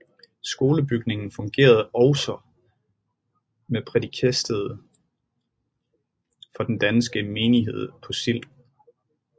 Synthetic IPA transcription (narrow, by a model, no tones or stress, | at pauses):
sɡ̥o̝ːləb̥yɡ̥ne̝ŋn̩fɔ̽ŋɡ̥e̝̰ːɐð̞̩ˠɒʊsɒ | mepʰʁɛdikʰesd̥əð̞ˠ | fɒ̽d̥end̥ænsɡ̥əme̝ːniɦe̝ð̞̰ˠpʰɒ̽sil̰